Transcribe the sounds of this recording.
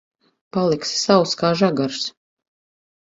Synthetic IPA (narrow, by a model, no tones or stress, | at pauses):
palˠiksːawskaːʒaɡaɾs